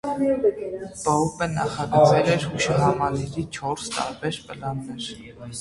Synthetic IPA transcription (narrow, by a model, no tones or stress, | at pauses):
bɔɦupənɑχɑɡət͡sʰɛlɛɾhuʃɑɦɑmɑliɾit͡ʃʰɔɾst̪ɑ̰ɾbɛɾpəlɑnːɛɾ